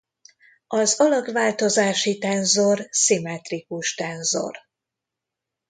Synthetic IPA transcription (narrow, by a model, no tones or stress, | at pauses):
ɒzɒlɒɡvaːlt̪o̞zaːʃit̪ɛnzo̞rsimɛt̪rikuʃt̪ɛnzo̞̰r